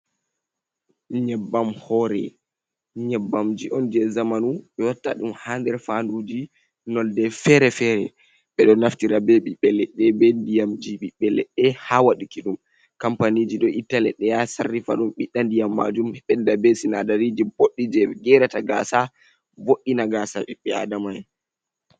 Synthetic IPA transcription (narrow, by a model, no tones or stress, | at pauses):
ɲɛbːamhɔɾɛ̰ | ɲɛbːamd͡ʒiʔɔnd͡ʒɛzamanuɓɛwatːa̰ɗumhaːndɛɾfandud͡ʒi | nɔldɛfɛɾɛfɛɾɛ | ɓɛɗɔnaftiɾabeɓiɓɛlːɛɗɛbɛndijamd͡ʒiɓiɓɛlːɛ̰ɗɛhawaɗukiɗum | kampanid͡ʒiɗɔʔitːalɛɗɛjasarːifa̰ɗumɓiɗːandijamːa̰d͡ʒumɛɓɛndabesinadaɾid͡ʒiboɗːid͡ʒɛɡɛɾataɡaːsa | voɗːinaɡasaɛɓɛa̰damaj